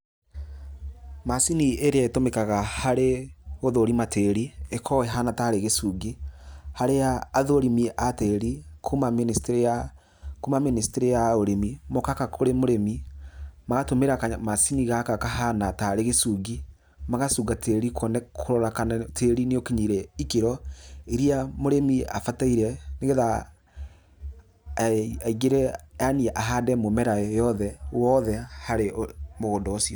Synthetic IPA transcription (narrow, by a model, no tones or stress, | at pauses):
masinieɾeaetomekaɣahaɾeɣoðoɾimateɾiekʰɔwɛɦanataɾeɣesuːɡihaɾejaːðoɾimiʔateɾikʰumaministɾa | kumaministeɾejaoɾemimokakakoɾemoɾemimaɣatomeɾakamasiniɣakakaɦanataɾeɣesuːɡi | maɣasuːɣatʰeɾikʰɔnɛkʰoɾɔɾakanatʰeɾineokiɲiɾɛikeɾɔiɾiamoɾemiafataiɾɛneɣeða | aiɡeɾɛaniɛʔaɦadɛmomɛɾajɔðɛwɔðɛhaɾemoɣondɔosiɔ